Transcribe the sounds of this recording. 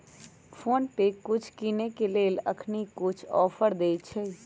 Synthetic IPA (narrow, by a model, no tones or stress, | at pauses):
pʰoːnpekʊt͡ʃʰkinekeleːlə̰kʰnikʊt͡ʃʰɔ̰ːpʰəɾd̪eːt͡ʃʰɛ